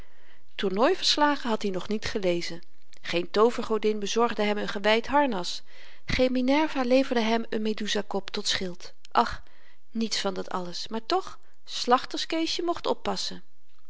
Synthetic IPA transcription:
tuɹnɔjvəɹslaːχəɦɑtɦinɔχnitχəlejzən | χejntowvəɹχowdɪnbəzɔɹχdəɦɛmənχəʋɛjtɦɑɹnɑs | χejminɛɹvaːlejvəɹdəɦɛmənmeduzakɔptɔtsχɪlˠt | ʔɑχ | nitsfɑndɑtɑ̰ləsmaːɹtɔχ | slɑχtəskejʃəmɔχtɔpːɑsə

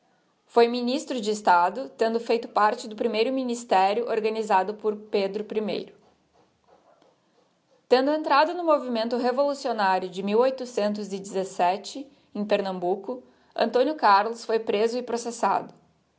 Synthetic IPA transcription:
fojminist̪ɾʊd͡ʒɪːst̪ad̪ʊt̪ẽnd̪ʊfejt̪ʊpaɾt͡ʃɪd̪ʊpɾimejɾʊminist̪ɛɾjʊʔoɾɡɐnizad̪ʊpʊɾped̪ɾʊpɾimḛjɾʊ | t̪ẽnd̪ʊẽnt̪ɾad̪ʊnʊmovimẽnt̪ʊɦevolusionaɾjʊd͡ʒɪmiwojt̪ʊsẽnt̪ʊzɪd͡ʒɪzesɛt͡ʃɪ | ẽj̃peɾnɐ̃mbukʊ | ɐ̰̃nt̪õnjʊkaɾlʊsfojpɾezʊɪpɾosesa̰d̪ʊ

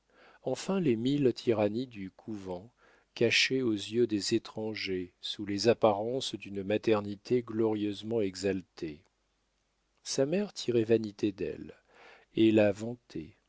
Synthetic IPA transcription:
ɑ̃fɛ̃lemilt̪ʰiʁanid̪ykʰuvɑ̃ | kaʃeozjød̪ezet̪χɑ̃ʒesulezapaʁɑ̃sd̪ynmat̪ɛʁnit̪ʰeɡlɔʁjøzmɑ̃ɛɡzalt̪ʰe | samɛʁt̪ʰiʁɛvanit̪ʰed̪ɛ̰l | elavɑ̃t̪ʰɛ̰

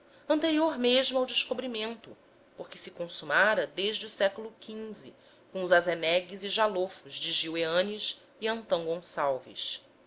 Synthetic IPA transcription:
ɐ̃nt̪eɾioɾmeʒmuawd͡ʒɪʃkobɾimẽnt̪ʊ | poχkɪsɪkõsumaɾɐd̪eʒd͡ʒɪusɛkulʊkʰĩnzɪ̰ | kõʊzazenɛɡiziʒalofuzd͡ʒɪʒiweɐ̃niʃ | iɐ̃nt̪ɐ̃w̃ɡõsawvḭʃ

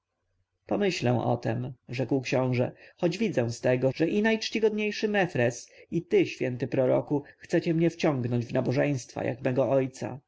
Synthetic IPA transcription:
pɔmɘɕlɛ̃w̃ʔɔ̰t̪ɛmʐɛkwkɕɔ̃w̃ʐɛxɔd͡ʑvʲid̪zɛ̃w̃st̪ɛɡɔʐɛʔinajt͡ʂt͡ɕiɡɔd̪ɲejʂɘmɛfɾɛsit̪ɘɕfʲjɛnt̪ɘpɾɔɾɔkuxt̪sɛt͡ɕɛmɲɛft͡ɕɔ̃ŋɡnɔɲd͡ʑvnabɔʐɛ̃j̃st̪fa̰jʔa̰kmɛɡɔɔjt̪sa̰

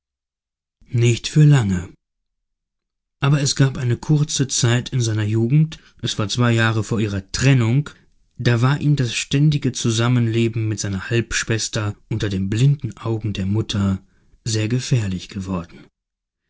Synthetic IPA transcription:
nɪçtfyːɐlaŋə | ʔaːbɐɛsɡ̥aːpʔaɪnəkʰʊɐt͡sət͡saɪtʰɪnzaɪnɐjuːɡŋ̩t | ʔɛsv̥aːɐt͡sv̥aɪjaːʁəfoːɐʔiːʁɐtʁ̥ɛnʊŋ | d̥aːvaːɐʔiːmdasʃtɛndɪɡət͡suzamənleːbm̩mɪtz̥aɪnɐhalpʃv̥ɛstɐʔʊntɐdeːmnblɪndn̩ʔaʊɡŋ̩deːɐmʊtʰɐ | zeːɐɡəfɛɐlɪçɡ̥əvɔɐdn̩

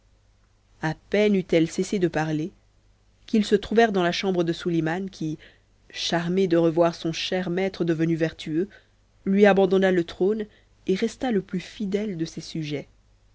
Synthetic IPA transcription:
apɛnyt̪ɛlsesed̪əpaʁle | kʲilsət̪χuvɛʁd̪ɑ̃laʃɑ̃bʁəd̪əsulimankʲi | ʃaʁmed̪əʁəvwaʁsɔ̃ʃɛʁmɛt̪χəd̪əvənyvɛʁt̪ʰyø | lɥiabɑ̃d̪ɔnalət̪χon | eʁɛst̪aləplyfid̪ɛld̪əsesyʒɛ

